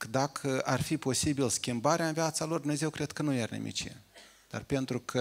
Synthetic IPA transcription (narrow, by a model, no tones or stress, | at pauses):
d̪akʰəʔarfipo̞sibilskʲimbaɾeaɨnviat̪salord̪umnezewkɾe̞d̪̚kənujarnḭmʔḭt͡ʃḛ | d̪̥a̰rpe̞nt̪ɾukʰə